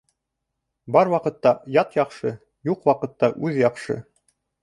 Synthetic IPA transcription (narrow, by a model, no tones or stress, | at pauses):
bɑɾwɑqɤ̆t̪ːɑjɑt̪jɑqʃɤ | juqwɑqɤ̆t̪ːɑʔʉðjɑqʃɤ̰